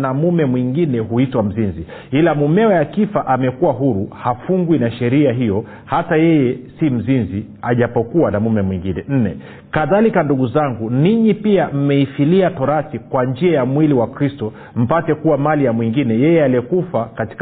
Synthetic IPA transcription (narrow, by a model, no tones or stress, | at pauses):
namumɛmwiŋɡinɛɦuitwam̩zinzi | ilamumɛɔjakifaʔamɛkuwaɦuɾuhafuŋɡwinaʃɛɾiaɦijɔ | hatajɛjɛsim̩zinzi | aʄapɔkuwanamumɛmwiŋɡinɛn̩nɛ̰ | kaðalikanduɠuzaŋɡuniɲipiam̩mɛifiliatɔɾasikwand͡ʒiajamwiliwakɾistɔ | m̩patɛkuwamalijamwiŋɡinɛjɛjɛaliɛkufakati̥k